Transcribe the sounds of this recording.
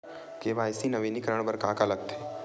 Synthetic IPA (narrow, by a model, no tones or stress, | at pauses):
keʋaːjsinɐʋiːnikəɾəɳ̃bəɾkaːkaləɡ̚t̪ʰeː